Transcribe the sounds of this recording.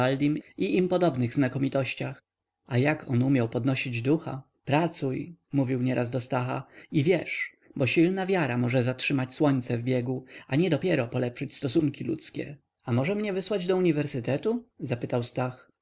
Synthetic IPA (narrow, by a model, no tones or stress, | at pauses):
ald̪ʲimiʔimpɔd̪ɔbnɘɣznakɔmʲit̪ɔɕt͡ɕax | ajakɔnumʲjawpɔd̪nɔɕid͡ʑd̪uxa̰ | pɾat̪sujmuvʲiwɲɛɾʔazd̪ɔst̪axa̰ivʲjɛʂ | bɔɕilnavʲjaɾamɔʐɛzatʂɘmat͡ɕswɔɲt̪sɛvbʲjɛɡuaɲɛd̪ɔpʲjɛɾɔpɔlɛpʂɘt͡ɕst̪ɔsuŋkʲilṵt̪skʲɛ̰ | amɔʐɛmɲɛvɘswad͡ʑd̪ɔuɲivɛɾsɘt̪ɛt̪uzapɘt̪awst̪ax